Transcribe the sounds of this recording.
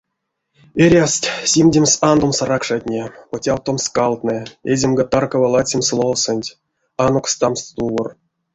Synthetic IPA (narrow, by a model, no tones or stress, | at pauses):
eɾʲast̪ʲsʲimʲdʲemʲsand̪omsaɾakʂatʲnʲepotʲawt̪omskalˠt̪nɨezʲemɡat̪arkavalˠat͡sʲemslˠowsɨnʲtʲ | anokst̪amst̪t̪uwor